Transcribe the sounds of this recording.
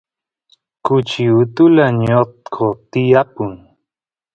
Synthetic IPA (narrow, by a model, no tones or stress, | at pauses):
kʊt͡ʃiʊt̪ʊlaɲot̪kʰot̪ɪjapʊŋ